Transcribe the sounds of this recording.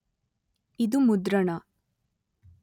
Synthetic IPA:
id̪umud̪ɾɐɳɐ

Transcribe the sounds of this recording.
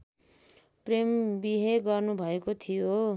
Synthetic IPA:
prembiɦeɡʌrnubʱʌekot̪ʰijo

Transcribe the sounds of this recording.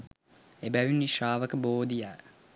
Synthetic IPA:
ebæʋinːiʃraːʋɐkəboːd̪ijaː

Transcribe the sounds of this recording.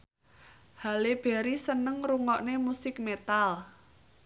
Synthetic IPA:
haleb̥ɛ̤ɾisənəŋruŋɔʔnemusɪk̚met̪al

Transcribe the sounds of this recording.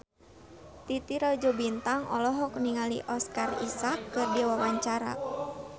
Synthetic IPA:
t̪it̪iɾad͡ʒɔbint̪aŋɔ̰lɔɦɔkniŋalḭʔɔskarḭsakːɨrdiwawaɲt͡ʃaɾa̰

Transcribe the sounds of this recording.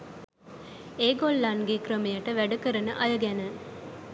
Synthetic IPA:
eːɡolːanɡekɾəmijɐʈəʋæɖukəɾɐnəʔɐjɐɡænə

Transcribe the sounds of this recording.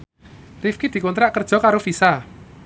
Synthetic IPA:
rifkid̪̥i̤kunt̪ɾaʔkərd̥ʒ̥ɔ̤kaɾofisa

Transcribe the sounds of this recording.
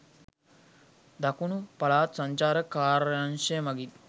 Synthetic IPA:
d̪akunupalaːt̪saɲt͡ʃaːɾəkaːɾjanʃemɐɡi

